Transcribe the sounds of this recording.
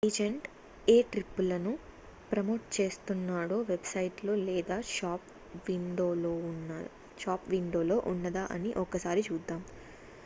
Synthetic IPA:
id͡ʒeɳʈ | eːʈɾipːulɐnu | pɾɐmoːʈ̚t͡ʃe̞ːst̪unːaːɽo̞ːʋe̞bsɐjʈlo̞ːlɛːd̪aːaːp | ʋiɳɖoːoːn | ʃaːpʋiɳɖoːlo̞ːʔunːɐd̪aːʔɐ̰niʔɔkːɐsaːɾit͡ʃuːd̪ːaːm

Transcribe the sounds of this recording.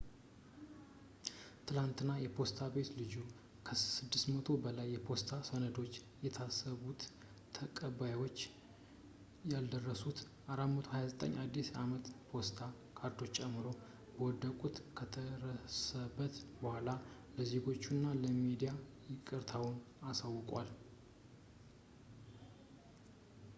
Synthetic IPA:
t̪ʰɨlant̪ɨnːajɛpʰo̞st̪ʰabe̞t̪lɨd͡ʒu | kʰəsɨd̪ːɨst̪mət̪ʰo̞bəlajːɛpʰo̞st̪ʰasonəd̪o̞t͡ʃː | jɛt̪ʰasːəβut̪ʰː | əkʼəβajwo̞t͡ʃː | jald̪ərːəsut̪ | ʔaɾamət̪ʰohajazət̪ʼə̰ɲːʔad̪ːisamət̪pʰo̞st̪ʰa | kʰaɾd̪o̞t͡ʃːt͡ʃʼɛmːɨɾo̞ | bəwɔd̪ːəkʼut̪kʰət̪ʰəɾəsəbːət̪bəhala | ləze̞ɡo̞t͡ʃːunːaləmid̪ijajɪkʼɨɾt̪ʰawn | asawːʊkʼwa̰l

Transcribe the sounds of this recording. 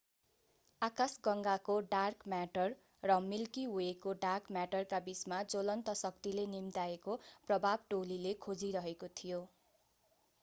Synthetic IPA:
akasɡʌŋɡakoɖarkmaʈʌr | rʌmilkiɦuekoɖarkmaʈʌrkabismad͡zolʌnt̪ʌsʌkt̪ilenimt̪aekoprʌbʱabʈolilekʰod͡ziɾʌɦekot̪ʰijo

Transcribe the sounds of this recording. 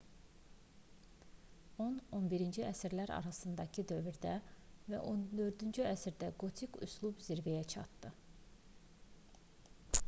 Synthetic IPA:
o̞no̞nbiɾind͡ʒiæsiɾlæɾɑ̰ɾɑsɯnd̪ɑcʰid̪ø̞vyɾd̪ævæ̰ʔo̞nd̪ø̞ɾd̪ynd͡ʒyæsiɾd̪æɡo̞t̪ʰikṵslˠubziɾvejæt͡ʃʰɑ̰t̪d̪ɯ

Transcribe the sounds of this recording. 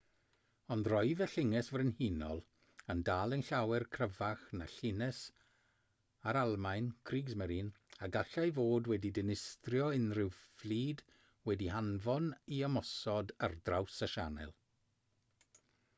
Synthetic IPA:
ɔndrɔjðɛɬɪŋɛsvrɪnhinɔ̰lˠ | əndaːlˠənɬawɛrkʰrəvaχna̰ɬɪnɛs | aɾalˠmajnkʰriːɡzmɛɾin | aɡaɬajvoːdwɛdidɪnɪstrjɔɪnrɪwflˠiːd | wɛdihanvɔniəmɔsɔdə̰rdrawsaʃanɛ̰lˠ

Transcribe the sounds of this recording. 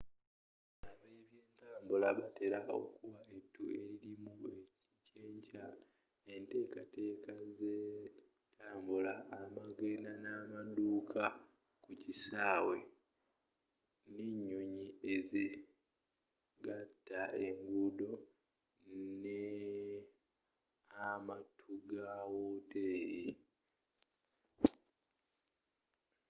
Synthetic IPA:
aβeβjeːntaːmbulaβate̞ɾao̞̰kuwaetːue̞ɾiɾimueciceːɲca | ente̞ːkate̞ːkaze | tʰaːmbulaːmaɡenanamaduːkʰa | kucisaːwe̞ | neɲːuɲieze | ɡatːae̞ŋɡudo̞ | ne | amatʰuɡawoteːɾi

